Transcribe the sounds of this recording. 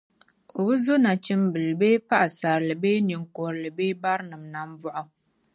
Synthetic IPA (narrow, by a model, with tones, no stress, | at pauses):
o˨bɨ˦zo˦na˨t͡ʃɨ˦mbɨ˨lɨ˨beː˦pa˦ʔa˨sa˨ɾɨ˨lɨ˨beː˦ni˨ŋ˨ko˨ɾɨ˨lɨ˨beː˦ba˦ɾnɨ˨m˨na˦m̩˦vɔ˦ʔʊ˨